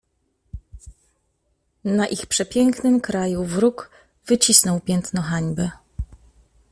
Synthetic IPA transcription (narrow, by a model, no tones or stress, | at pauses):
naʔixpʂɛpʲjɛŋknɘmkɾajuvɾuk | vɘt͡ɕisnɔwpʲjɛnt̪nɔxaɲbɘ